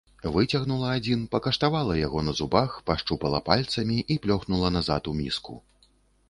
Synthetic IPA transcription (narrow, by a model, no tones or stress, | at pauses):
vɨt͡sʲɐɣnulˠɐad͡zʲinpɐkɐʂt̪avalˠɐjaɣɔnɐzubaxpaʂt͡ʂupɐlˠɐpalʲt̪sɐmʲiʔiplʲɔxnulˠɐnaza̰t̪umʲḭskṵ